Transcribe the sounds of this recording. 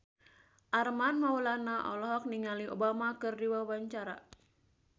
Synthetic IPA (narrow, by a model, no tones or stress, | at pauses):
ʔarmanmaulanaʔɔ̰lɔɦɔk̚niŋaliʔobamakɨrdiwawaɲt͡ʃaɾa